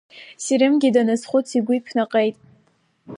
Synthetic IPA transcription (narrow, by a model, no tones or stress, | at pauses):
siɾɪmɡʲidanɨsχʷʊt͡sʰiɡʷʊipʰnaqʼejtʼ